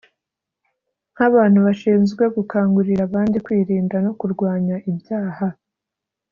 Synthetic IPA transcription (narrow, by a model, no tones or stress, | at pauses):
ŋ̥haβaːn̥huβaʃiːnzɡweɡukaːŋɡuɾiɾaβaːndikwiːɾiːndano̞kuɾɡwaːɲaʔibjaːha